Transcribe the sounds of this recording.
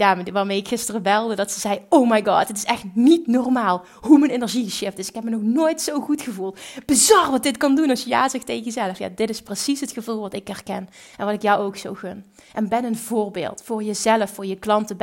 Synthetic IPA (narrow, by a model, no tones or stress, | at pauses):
jaːʋaːɹmejɪkxɪstərəbɛlˠdədɑtsəzɛjowmajɡɑ̰ːtətɪsɛxtnitnɔrmaːlˠ | ɦumənenəɹʒiʃɪftdɪsɪ̥kɦɛpmənɔxnoːjtsowɣutxəvulˠtb̥əzɑrʋɑt̚dɪtkɑndunɑsjəja̰ːzɛxtejəjəzɛləfja̰ːdɪtɪsprəsisɦətxəvulˠʋɑtɪkɛrkɛnʔɛnʋɑtɪkjɔwowksowɣɵn | ʔɛnbɛnənvoːrbḛːlˠtfʊːɹjəzɛləfːʊːɹjəklɑntəb